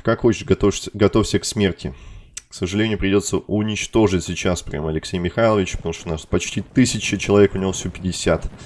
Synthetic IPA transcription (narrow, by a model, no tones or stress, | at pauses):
kakxo̞t͡ɕɪ̥ʂɐt̪ofɡɐt̪ofʲsʲəksmʲertʲɪ̰ksəʐɨlʲenʲɪʊjʊpɾʲɪdʲo̞t̪səʔʊnʲɪt͡ɕt̪o̞ʐɨtʲsʲɪt͡ɕaspɾʲɪa̰mɐlʲɪksʲejmʲɪxajlˠəvʲɪt͡ɕpət̪ɐmuʂt̪onaʐpɐt͡ɕtʲit̪ɨsʲɪt͡ɕɪt͡ɕɪlˠɐvʲekʊnʲɪvofsʲopʲɪdʲɪsʲat̪